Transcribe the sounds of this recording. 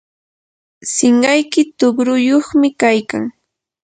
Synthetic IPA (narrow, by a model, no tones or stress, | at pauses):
sɪɴɢɑjkɪt̪ʊɢɾʊjoχmɪkajka̰ŋ